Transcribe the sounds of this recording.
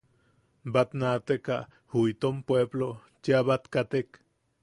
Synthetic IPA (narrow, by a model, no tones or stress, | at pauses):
bat̪nat̪ekaʔ | huit̪ompweblo | t͡ʃeaβat̪kat̪ek